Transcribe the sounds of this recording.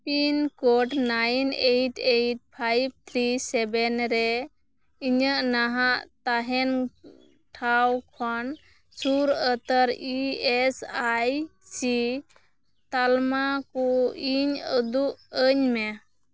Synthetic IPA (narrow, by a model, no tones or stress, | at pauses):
pinkɔʈnajnejʈʰejʈ̚pʰajb̚t̪ʰɾisɛbɛnɾɛ | iɲəʔnaɦaʔt̪aɦɛn | ʈʰawkʰan | suɾət̪əɾiɛsajsi | t̪almakɔiɲəd̪uʔəɲmɛ